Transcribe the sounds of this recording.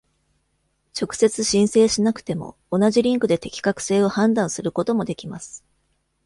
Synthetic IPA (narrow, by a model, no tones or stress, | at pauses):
t͡ɕo̞kɯ̟̥se̞t͡sɨɕĩɰ̃se̞ːɕinakɯ̟̥t̪e̞mo̞̰ːnaʑiɾʲĩŋkɯ̟d̪e̞t̪e̞kʲi̥kakɯ̟̥se̞ːo̞hãnd̪ãɰ̃sɨɾɯ̟ko̞t̪o̞mo̞d̪e̞kʲimasɨ̥